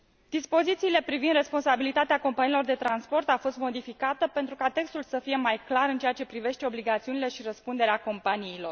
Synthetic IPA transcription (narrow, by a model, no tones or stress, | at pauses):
d̪̥ispo̞zit̪siːle̞pɾivind̪re̞spo̞nsabilit̪at̪eako̞mpanilo̞rd̪e̞t̪ɾanspo̞rt̪afo̞st̪mo̞d̪ifikat̪əpe̞nt̪ɾukat̪e̞kst̪ulsəfije̞majklaɾɨnt͡ʃeat͡ʃe̞pɾive̞ʃt̪e̞obliɡat̪siunile̞ʃiɾəspund̪e̞ɾeako̞mpaniːlo̞r